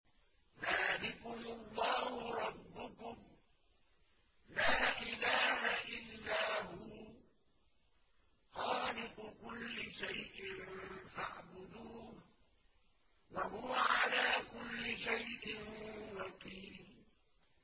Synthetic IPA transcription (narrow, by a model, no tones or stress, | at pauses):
ðaːlɪqʊnalˤːɑːhʊɾˤɑbːʊkʊm | laːʔɪlaːhaʔɪlːaːɦʊ | xɑːlɪqʊkʊlːɪʃajʔɪnfaʕbʊd̪uː | waɦʊwaʕalaːkʊlːɪʃajʔɪnwɑqiːl